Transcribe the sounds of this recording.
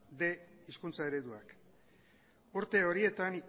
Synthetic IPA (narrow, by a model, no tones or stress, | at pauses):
d̪e̞iskunt͡sae̞ɾe̞ðuak | uɾt̪e̞o̞ɾie̞t̪anik